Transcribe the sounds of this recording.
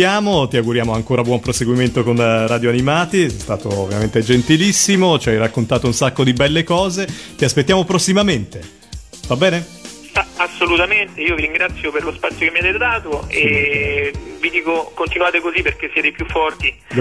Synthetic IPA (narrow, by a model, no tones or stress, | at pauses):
aːmot̪iaɡuɾjaːmoaŋkoːɾabwɔmpɾoseɡwiment̪okonrad̪joanimaːt̪isɛjst̪aːt̪o̰ːvːjament̪ed͡ʒent̪ilisːimot͡ʃiajɾakːont̪aːt̪ounsakːod̪ibɛlːekɔːzet̪iaspet̪ːjaːmopɾosːimament̪e | vabːɛːne | asːolut̪ament̪eiːoviɾiŋɡɾat̪sjoperlospat̪sjokemːiat̪et̪ed̪aːt̪oe | vid̪iːkokont̪inuaːt̪ekozipːerk̟esːjɛːt̪epjufːɔrt̪i